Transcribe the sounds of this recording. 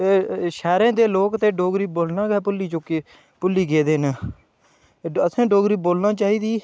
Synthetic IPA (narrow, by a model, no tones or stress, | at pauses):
eːʃɛːɾẽːd̪eːloːkt̪eːɖoːɡɾiːboːlnãːɡɛːpʊlːiːt͡ʃokiː | pʊlːiːɡeːd̪eːnː | əsãːɖoːɡɾiːboːlnãːt͡ʃaːɦiːd̪iː